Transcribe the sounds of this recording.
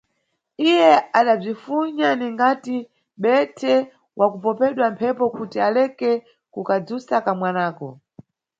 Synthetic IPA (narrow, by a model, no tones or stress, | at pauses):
ijɛaɗab͡ʐifuɲaniŋɡati | ɓɛtʰɛ | wʔakupɔpɛɗwam̩pʰɛpɔkutialɛkɛ | kukad͡zusakamwanaːkɔ̰